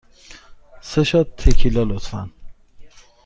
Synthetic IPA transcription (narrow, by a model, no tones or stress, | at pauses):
seʃɒːt̪ʰːekʰilɒːlot̪fæ̰n